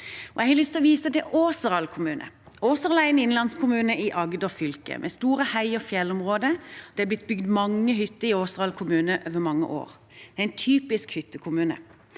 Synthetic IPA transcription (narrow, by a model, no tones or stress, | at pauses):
ɔæhɛlʏst̪ʰɪɔʋiːsəd̪ɛʔoːsəɾɑlkʰʊmʉːnʔə̰ | oːsəʁɑlæɪnɪnlɑnskʰʊmʉːnəʔɪʔɑɡd̪ɔfʏlkə̰mʔɛ̰st̪uːɾəhæɪɔfjɛlɔmʁoːd̪əd̪̥ɛæb̪ɪt̪̚ːbʏɡd̪mɑŋːəɦʏt̪ːəɾɪoːsʁɑlkʰʊmʉːnəʔøːʋəmɑŋːə̰ʔo̰ːʁ | d̪̥ɛæɪnt̪ʰyːpɪskhʏt̪ːəkʰʊmʉːnə̰